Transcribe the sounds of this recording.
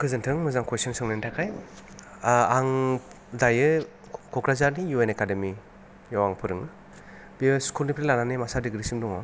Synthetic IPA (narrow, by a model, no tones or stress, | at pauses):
kʰɯzɯntʰɯŋmɯzaŋkwesɔnsɯŋnentʰakʰaj | aŋ | dajɯ | kʰɔkɾazaɾnijuenekademi | jawaŋpʰɯɾɯŋ | biskulnipʰɾelananɯmasadiɡɾisimdɔŋɔ